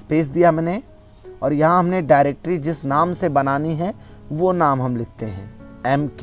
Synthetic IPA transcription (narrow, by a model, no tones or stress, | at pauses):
speːs̬d̪ijamɛ̃ːne | ɔːɾjɐɦãɦɐmneɖaːɪɾeːk̚ʈɾid͡ʒɪsnaːmsebɐnaːniɦɛ̃ʋonaːmɦɐmlɪt̪ːeɦɛ̰̃ːɛːmk